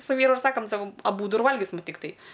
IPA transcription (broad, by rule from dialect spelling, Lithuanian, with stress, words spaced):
sʊ ˈʋʲiːrʊ ɪr ˈsɑːkɐm ˈsɑːkoːm ɐˈbuːdʊ ɪr ˈʋɐlʲɡʲɪsʲɪm tʲɪkˈtɐɪ